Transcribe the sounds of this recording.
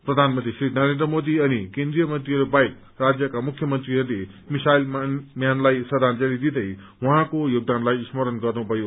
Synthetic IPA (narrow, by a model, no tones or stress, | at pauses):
prʌd̪ʱanmʌnt̪risrinʌɾend̪rʌmod̪iʌnikend̪rijʌmʌnt̪riɦʌɾubajk̚ | rad͡zjʌkamukʰːjʌmʌnt̪riɦʌɾule | misajlmmjanlajsʌd̪ʱand͡zʌlid̪id̪ʌj | wʌɦãkojoɡ̚d̪anlajsmʌɾʌnɡʌrnũbʱʌjo